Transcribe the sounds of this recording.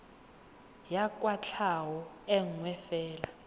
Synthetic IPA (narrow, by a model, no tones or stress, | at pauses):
jak̬ʼwat͡ɬʰawɔ | ɛŋŋwɛfɛːla